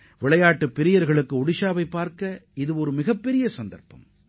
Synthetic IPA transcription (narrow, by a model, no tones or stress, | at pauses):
ʋɪɭɐjaːʈːɯpːɪɾɪjɐɾɣɐɭɯkːɯʊɽɪʃaːʋɐɪpːaːɾkɐɪðɯɔɾɯmɪɣɐpːɛɾɪjɐsɐnd̪ɐ̰ɾpɐ̰m